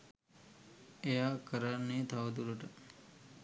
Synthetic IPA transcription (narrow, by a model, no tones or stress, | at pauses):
ejakəɾanːet̪ʰaʋəd̪uɾəʈə